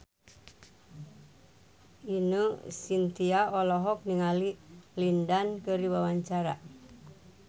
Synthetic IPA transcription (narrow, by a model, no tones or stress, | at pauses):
inusint̪iaɔlɔɦɔk̚niŋalilindankəɾiwawaɲt͡ʃaɾa̰